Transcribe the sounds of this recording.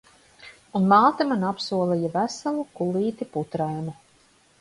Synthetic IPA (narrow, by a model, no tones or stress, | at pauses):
unmaːt̪amanapsuɔlˠɛjavæsalˠukulˠiːt̪iput̪ɾajnu